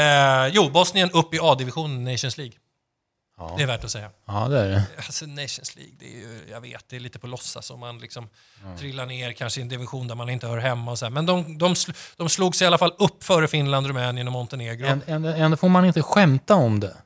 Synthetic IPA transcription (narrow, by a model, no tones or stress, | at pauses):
juːbɔsnɪənɵpːɪɑːd̪ɪvɪɧuːnənnːɛɪʂənsliːɡ | ɛæːɾvæʈɔsɛjːaːd̪ɛæɾɛasɔnɛɪʂənslḭːɡ̚d̪ɛ̰ːjɵ̰ja̰vḛːt̪̚d̪ɛːliːt̪əpʰɔlɔsːa̰sɔmanlɪksɔm | t̪ʰɾɪlːaɳeːɾkʰanʂəɛnd̪ɪvɪɧuːnd̪æɾmanɪnt̪əhœːɾɦɛmːaɔsɔd̪æːmɛnd̪ɔmd̪ɔmsd̪̥ɔmsluːɡsɛɪalːafalːɵpːfœːɾəfɪnland̪ɾɵmɛːnɪənɔmɔnt̪əneːɡɾʊɛnd̪ɛnd̪ofoːɾmanɪnt̪əɧɛmt̪aɔmd̪ɛ